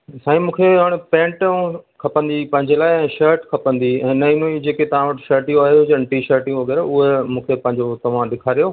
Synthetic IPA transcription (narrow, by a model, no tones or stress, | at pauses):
saːĩmũːkʰeɦaɽ̃pɛ̃ːɳʈũkʰɐpə̃nd̪ipɐ̃ɦɪ̃ɲd͡ʑelaːɪɛ̃ːʃəːɾʈkʰɐpə̃nd̪iɛ̃ːnɐinũid͡ʑeːket̪ɐʋ̤ãʋɐʈʃəɾʈijũaːɦeʊd͡ʑɐ̃ɳʈiʃəːɾʈĩjũʋɐɡɛːɾaʊɦemũːkʰepɐ̃ɦɪ̃ɲd͡ʑot̪ɐʋ̤ãɗɪkʰaːɾijoː